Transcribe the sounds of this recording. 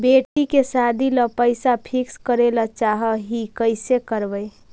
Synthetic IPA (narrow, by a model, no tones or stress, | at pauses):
beʈikesad̪ʱiləpəɪsapʰikskəɾelat͡ʃaɦəɦikəɪsekəɾbəj